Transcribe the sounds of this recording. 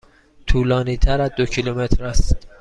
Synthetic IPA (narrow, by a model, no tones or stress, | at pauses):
t̪ʰuːlɒːniːt̪ʰæɾæd̪ocʰilomet̪ʰɾæst̪